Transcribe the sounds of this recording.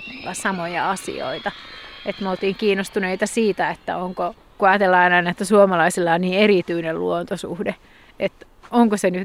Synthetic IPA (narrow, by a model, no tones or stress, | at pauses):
lːɑsɑmojɑɑsḭo̰it̪ɑet̪meolt̪iːŋkiːnost̪uneit̪ɑsiːt̪æet̪ːæ̰oŋko | kuɑjːt̪elːɑinɑinet̪ːæsuomɑlɑisilːɑːnniːeɾit̪yinellṵont̪osṵhde | ʔet̪ | oŋkoseny